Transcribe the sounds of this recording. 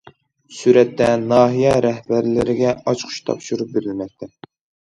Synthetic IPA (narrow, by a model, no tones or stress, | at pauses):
syɾɛt̪ːɛnɑːɦijɛɾɛhbæɾlɪɾɪɡʲɛɑt͡ʃqʰʊ̥ʃt̪ʰɑ̰pʃuɾup̚beɾɪlmɛk̚ʲt̪ʰɛ